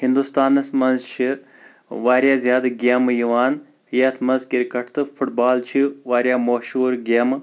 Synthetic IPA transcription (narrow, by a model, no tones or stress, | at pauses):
ɦĩnd̪ust̪aːnɐsmɐnzt͡ʃʰi | ʋaːɾjaːzʲjaːd̪ɨɡʲeːmjiʋaːn | jɐt̪ʰmɐnzkiɾikɐʈʰt̪ʰɨfʰuʈbaːlt͡ʃʰiʋaːɾjaːmoːʃuːɾɡʲeːm